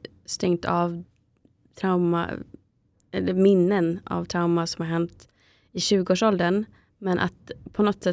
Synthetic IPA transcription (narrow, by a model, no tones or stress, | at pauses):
st̪ɛŋt̪ʰɑ̰ʋ | t̪ʰɾaʊma̰ | ɛlːəɾmɪnːənɑ̰ʋt̪ʰɾaʊmasɔmhɑɾɦɛnt̪ | ɪɕʉːɡəoːʂɔld̪ən | mɛnʔa̰t̪pʰɔnɔt̪sɛ